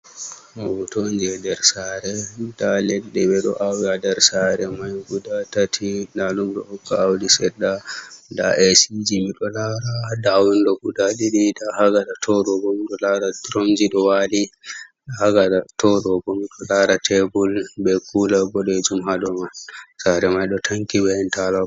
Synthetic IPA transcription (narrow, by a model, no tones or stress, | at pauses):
awutond͡ʒiɛdɛɾsaɾɛdalɛɗːɛɓɛɗɔ̰ʔawadɛɾsaɾɛmajɡudatatʰilalumɗɔ̰ɔkːaawdisɛdːada̰ɛsid͡ʒimiɗɔlaɾadawinɗɔɡudaɗiɗidahaɡaɗatʰɔɗɔbɔmiɗɔlaɾadɾond͡ʒiɗɔwali | ɗahaɡaatʰɔɗɔbɔmiɗɔlaɾatʰɛbulbɛkʰulaɡɔɗɛd͡ʒumɦaɗɔmasaɾɛmajɗɔtʰaŋkibɛɛntala